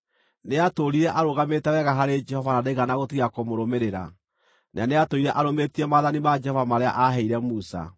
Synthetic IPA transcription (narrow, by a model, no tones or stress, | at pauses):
neatoɾiɾɛʔaɾoɣametɛwɛɣaɦaɾed͡ʒɛhɔvanadeɣanaɣotiiakomoɾomeɾeɾa̰ | nʔaneatoiɾɛʔaɾometiɛmaðanimad͡ʒɛhɔvamaɾea̰ʔaɦɛiɾɛmusa̰